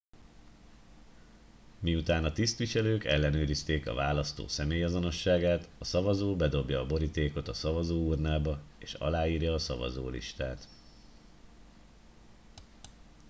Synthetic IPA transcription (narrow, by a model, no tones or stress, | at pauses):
miut̪aːnɒt̪ist̪ʋiʃɛløːkɛlːɛnøːɾist̪eːkɒ̰vaːlɒst̪o̰ːsɛmeːjɒzo̞no̞ʃːaːɡaːt̪ɒsɒvɒzoːbɛd̪o̞bjɒːbo̞ɾit̪eːko̞t̪ɒsɒvɒzoːurnaːbɒeːʃɒ̰laːiːrjɒːsɒ̰vɒ̰zo̰ːlḭʃt̪aːt̪